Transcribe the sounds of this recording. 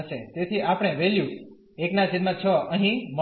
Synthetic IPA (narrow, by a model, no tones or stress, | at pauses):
ʃet̪et̪ʰiʔapɽ̃eʋeljũ | eknasid̪mãt͡ʃʰɔəɦĩmə